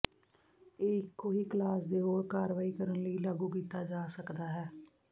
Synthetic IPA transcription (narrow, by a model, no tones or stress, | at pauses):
eːɪkːoːɦiːklaːsd̪eːɦoːɾkaːɾʋaːiːkəɾənləiːlaɡuːkiːt̪ːaːd͡ʒaːsəkd̪aːɦɛː